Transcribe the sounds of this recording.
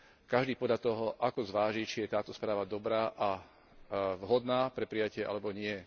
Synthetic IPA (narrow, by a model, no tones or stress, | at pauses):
kaʒd̪iːpɔd̪ʎat̪ɔɦɔʔakɔzʋaːʒit͡ʃijɛt̪aːt̪ɔspɾaːʋad̪ɔbɾaːʔa | vɦɔd̪naːpɾɛpɾijacɪɛʔa̰lɛbɔɲɪɛ